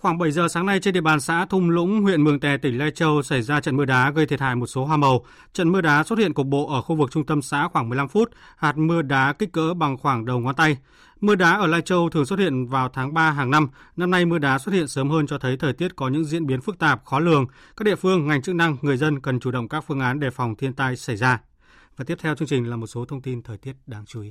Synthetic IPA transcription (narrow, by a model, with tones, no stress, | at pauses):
xwaː˧˩ŋɓə˧˩jzəː˨˩saː˨˦ŋna˧jt͡ɕe˧nɗḭ˧˨ə˨ɓaː˨˩nsa̰ː˧˥t̪ʰʊ˧ŋ͡mlʊ̰˧˥ŋ͡mwḭ˧˨ənmɨ˨˩əŋt̪ɛ˨˩t̪ï˧˩ŋ̟laː˧jt͡ɕə˧wsa˧˩jzaː˧t͡ɕə̰˧˨nmɨ˧əɗaː˨˦ɣə˧jt̪ʰi˧˩t̚ha̰ː˧˨jmo˨˩t̚so˨˦ɦwaː˧˩mə˨˩w | t͡ɕə̰˧˨nmɨ˧əɗaː˨˦so˦˥t̚hḭ˧˨nkʊ˨˩k̚ɓo̰˧˨ʔəː˧˩xu˧vɨ˨˩k̚t͡ɕʊ˧ŋ͡mt̪ə˧msa̰ː˧˥xwaː˧˩ŋmɨ˨˩əjla˧mfu˦˥t̚ | haː˨˩t̚mɨ˧əɗaː˨˦kï˦˥k̟̚kːə̰ː˧˥ɓa˨˩ŋxwaː˧˩ŋɗə˨˩wŋwaː˨˦nt̪a˧j | mɨ˧əɗaː˨˦ʔəː˧˩laː˧jt͡ɕə˧wt̪ʰɨ˨˩əŋso˦˥t̚hi˧˨ənvaː˨˩wt̪ʰaː˨˦ŋɓaː˧ɦaː˨˩ŋna˧mna˧mna˧jmɨ˧əɗaː˨˦s̬wə˦˥t̚hḭ˧˨ənsəː˨˦mhəː˧nt͡ɕɔ˧t̪ʰə˨˦jt̪ʰəː˨˩jt̪i˦˥ət̚kɔ˨˦ɲɨ̰˧˥ŋzḭ˧˥ənɓi˨˦ənfɨ˦˥k̚t̪aː˨˩p̚xɔ˨˦lɨ˨˩əŋ | ka˦˥ɗ̰i˧˨əfɨ˧əŋːa˨˩jŋ̟t͡ɕɨ˦˥k̚na˧ŋŋɨ˨˩əjzə˧nkə˨˩nt͡ɕu˧˩ɗə̰˧˨wŋ͡mkaː˦˥k̚fɨ˧əŋʔaː˨˦nɗe˧˩fa˨˩wŋ͡mt̪ʰi˧ənt̪aː˧jsa˧˩jzaː˧ | vaː˨˩t̪i˦˥ət̪ʰɛ˧wt͡ɕɨ˧ŋt͡ɕï˨˩ŋ̟laː˨˩mo˨˩t̚so˨˦t̪ʰə˧wŋ͡mt̪i˧nt̪ʰəː˨˩jt̪i˦˥ət̚ɗaː˨˦ŋt͡ɕu˨˦i˨˦